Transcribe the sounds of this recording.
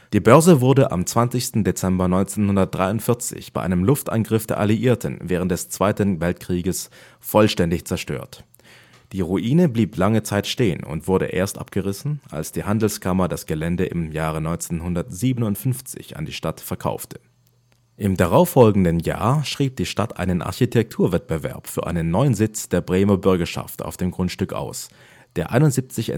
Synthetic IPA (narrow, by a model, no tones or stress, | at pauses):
d̥iːbœɐzəvʊɐdəʔa̰mt͡sv̥ant͡sɪçstn̩det͡sɛmbɐnɔʏnt͡seːnhʊndɐt̚d̥ʁaɪʊntfɪɐt͡sɪ̰çb̥aɪʔaɪnəmlʊftʔa̰nɡʁɪfd̥eːɐʔaliʔiːɐtʰn̩vɛːʁ̞ənt̚d̥ɛst͡sv̥aɪtn̩vɛltkʁ̥iːɡəs | fɔlʃtɛndɪçt͡sɛɐʃtø̰ːɐt | d̥iːʁuʔiːnəbliːpʰlaŋət͡saɪtʃteːə̰nʊ̰ntv̥ʊɐɾə̰ʔḛːɐstʔa̰p̚ɡ̥əʁɪsn̩a̰lsd̥iːhandl̩skʰamɐdasɡ̥əlɛndəʔɪmjaːʁənɔʏnt͡senhʊndɐtz̥iːbənʊntfʏnft͡sɪ̰ça̰ndiːʃtatfɛɐkʰa̰ʊftʰə̥ | ʔɪmdaʁaʊfːɔlɡŋ̩dənja̰ːʃʁ̥iːp̚d̥iːʃtatʔa̰ɪnənʔa̰ɐçitʰɛk̚tʰuːɐvɛt̚b̥əvɛ̰ɐpfyːɐʔa̰ɪnənːɔʏənzɪt͡sd̥eːɐbʁeːmɐbʏɐɡɐʃa̰fta̰ʊfd̥eːmɡʁʊntʃtʏkʔa̰ʊs | d̥eːɐʔa̰ɪnʊntzip̚t͡sɪçɛ̰